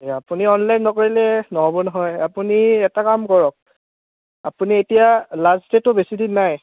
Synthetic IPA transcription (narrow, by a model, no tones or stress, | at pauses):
apuniɔnlajnːɔkoɹilɛnɔɦɔbɔnɔɦɔjapuniɛtakamkɔɹɔk̚ | apunietijalaztetʊbesidinːaj